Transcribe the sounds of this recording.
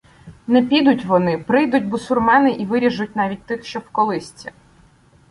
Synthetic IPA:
nɛpʲid̪ʊtʲʋɔnɪpɾɪjd̪ʊtʲbʊsʊrmɑnɪʔiʋɪɾʲiʒʊt̚ʲnɑʋʲit̚ʲt̪ɪxʃt͡ʃɔwkɔlˠɪsʲt͡sʲi

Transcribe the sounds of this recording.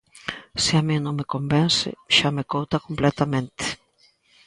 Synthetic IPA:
sɪamĩnõŋmekombɛnsɪ̰ʃamekowt̪akomplɛt̪amẽnt̪ɪ̥

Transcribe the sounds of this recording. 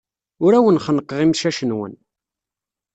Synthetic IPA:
ʊɾæwənχənqːəʁimʃæʃənwə̰n

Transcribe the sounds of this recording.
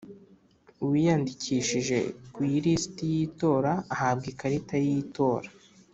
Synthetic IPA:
uwijandicʰiʃiʒe̞̰kujiɾisi̥tijiːto̞ːɾaːhab̚ɡikaɾitajiːto̞ːɾḁ

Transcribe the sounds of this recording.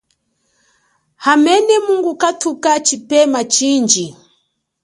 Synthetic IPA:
hamɛnɛmuŋɡukatʰukat͡ʃipɛmat͡ʃind͡ʒi

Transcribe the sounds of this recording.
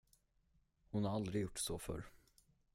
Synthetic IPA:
hʊnhaɾald̪ɾɪɡjʊʈːsɔfœ̰ɾ

